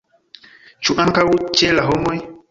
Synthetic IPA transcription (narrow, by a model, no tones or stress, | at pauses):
t͡ʃuʔaŋkawut͡ʃelaɦɔmɔj